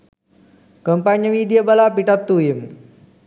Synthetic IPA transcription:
kəmpaɲəmid̪iabalapiʈat̪ːujim

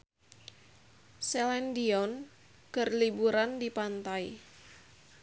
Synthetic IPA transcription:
sɛlɛndiɔn | ɡ̥ərlibuɾandipant̪aj

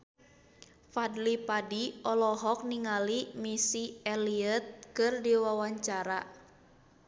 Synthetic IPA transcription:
fadlipadiɔlɔɦɔk̚niŋalimisiɛliət̪̚kɨrdiwawaɲt͡ʃaɾa

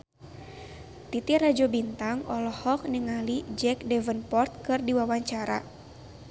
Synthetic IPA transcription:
t̪it̪irad͡ʒɔbint̪aŋɔlɔhɔk̚niŋalid͡ʒɛk̚dɛvənpɔrt̪̚kɨrdiwawaɲt͡ʃaɾa̰

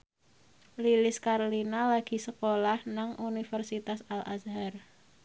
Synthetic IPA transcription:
lilɪskaɾlinalaɡ̥i̤səkolahnaŋʔunifərsit̪asalʔa̰sɦar

